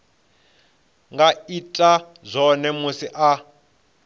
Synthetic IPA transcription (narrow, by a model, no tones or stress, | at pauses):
ŋɡaitʼa | zʷɔnɛmusiʔa